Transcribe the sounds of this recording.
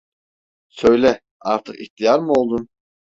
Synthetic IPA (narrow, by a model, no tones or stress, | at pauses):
sø̞jlʲɛ | a̰ɾt̪ʰɯqḭht̪ʰijaɾmɯo̞lˠd̪un